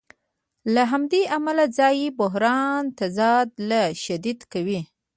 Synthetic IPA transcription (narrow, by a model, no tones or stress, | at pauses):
laɦamd̪eʔamalad͡zɑjebʊɦɾɑnt̪azɑd̪laʃad̪id̪kawi